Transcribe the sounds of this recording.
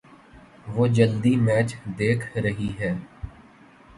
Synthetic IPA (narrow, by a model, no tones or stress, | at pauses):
ʋoːd͡ʒəld̪imɛːt͡ʃd̪eːkʰɾəɦiɦɛː